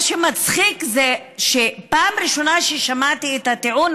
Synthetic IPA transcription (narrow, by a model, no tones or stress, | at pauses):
ʃemat͡sχikze | ʃepaːmɾiʃo̞naʃeʃamat̪iet̪hat̪eun